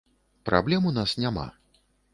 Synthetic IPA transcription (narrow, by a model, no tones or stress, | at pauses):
pɾʔa̰blʲɛmunasnʲama̰